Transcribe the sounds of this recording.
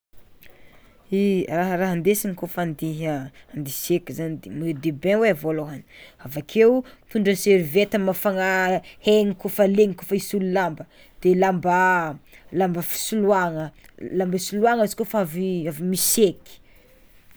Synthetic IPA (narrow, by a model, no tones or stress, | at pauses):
iraɦəɾaɦand̪esiŋikofand̪iɦəand̪isekizanid̪emed̪ebẽweavoloɦaniavakʰewut̪uɳɖ͡ʐəseɾivet̪əmafaŋaheŋikofəleŋikofəisululambə | d̪̥elamba | lambəfi̥suluaŋəlambisuluaŋəiz̥kofaaviavimiseki̥